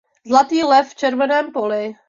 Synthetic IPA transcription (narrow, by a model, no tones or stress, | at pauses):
zlat̪iːlɛfːt͡ʃɛɾvɛnɛːmpolɪ